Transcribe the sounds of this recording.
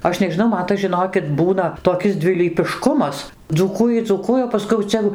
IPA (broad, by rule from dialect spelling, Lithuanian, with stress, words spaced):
ˈɐʃ nʲɛʒʲɪˈnɐʊ ˈmɐn tɐs ʒʲɪˈnoːkʲɪt ˈbuːnɐ toːˈkʲɪs dʲʋʲɪlʲiːpʲɪˈʃkʊmɐs d͡zuːˈkuːjɪ d͡zuːˈkuɔjɛ oː pɐˈskʊɪ jɛʊ ˈt͡sʲɛ joː